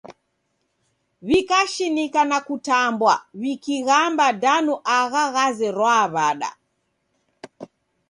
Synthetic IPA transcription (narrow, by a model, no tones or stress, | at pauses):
βikaʃinikanakutambwaβikiɣambadanuʔaɣaɣazɛɾwaːβaɗa̰